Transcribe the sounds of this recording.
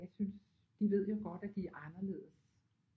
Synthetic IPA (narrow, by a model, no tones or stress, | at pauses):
ɑɪsyns | d̥iʋe̝ð̞̰ˠjo̝ɡ̥ɒ̽d̥æd̥iæʔɑ̈nɐle̝̰ːð̩ˠəs